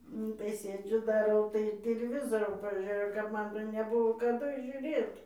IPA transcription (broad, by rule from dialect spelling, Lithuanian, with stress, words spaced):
ˈnʊ tɐɪ ˈsʲeːd͡ʒʲʊ dɐˈrɐʊ tɐɪ tʲɪlʲɪˈʋʲɪzoːroː pɐˈʒʲeːjɛʊ kɐp ˈmɐn tʲɛn nʲɛˈbʊʋoː kɐˈdʊ ʒʲʊˈrʲeːt